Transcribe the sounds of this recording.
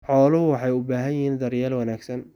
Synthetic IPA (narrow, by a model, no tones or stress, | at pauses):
ħɔːlɐɦʊwɑħɑjʊbaːɦɐjɪɦiːnd̪ɐɾjaːlwɐnaːɡsɐn